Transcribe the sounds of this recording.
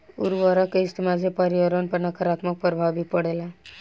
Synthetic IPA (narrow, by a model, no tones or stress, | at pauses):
uɾʋəɾəkeist̪imad͡zʱepəɾiʋəɾənpəɾnakaɾat̪mək̚pɾəbʱaʋbʱipəɽela